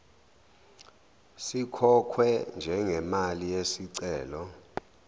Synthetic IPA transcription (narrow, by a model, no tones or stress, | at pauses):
sikʰɔkʰwɛnd͡ʒʱɛŋɛmalijesiǀɛːlɔ